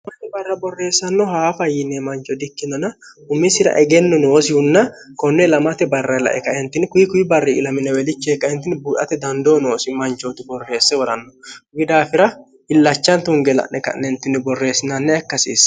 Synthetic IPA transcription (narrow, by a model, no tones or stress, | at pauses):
mɐt̪ːɛbɐrːɐbɔrːe̞ːsːɐnːɔhaːfɐjɪnːɛmɐnt͡ʃɔd̪ɪkːɪnɔnɐ | ʊmːɪsɪɾɐ̰ʔɛɡɛnːɔnoːsɪhʊnːɐkɔnːɛlɐmɐt̪ɛbɐrːɐlɐ̰ʔɛkɐɛnt̪ɪnkʊjɪkʊjɪbɐrːiʔɪlɐmɪnːɛwɛlɪt͡ʃːeːkːɐɛnt̪ɪnɪbuːʔɐ̰t̪ɛd̪ɐnd̪oːnoːsɪmɐnt͡ʃot̪ɪbɔrːe̞ːsːɛwɔɾɐnːɔɡɪd̪aːfɪɾɐ | ɪlːɐt͡ʃːɐnt̪ʊŋɡɛlɐ̰ʔnʔɛkɐ̰nːɛnt̪ɪnːɪbɔrːe̞ːsːɪnɐnːɛɐkːɐsḭːs